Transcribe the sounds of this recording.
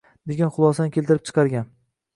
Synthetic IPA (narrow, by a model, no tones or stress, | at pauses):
d̪eɡʲanχʊlˠɒsankʲʰe̞lˠt̪ɪɾɪp̚t͡ʃʰɨ̥qʰɑɾɡʲan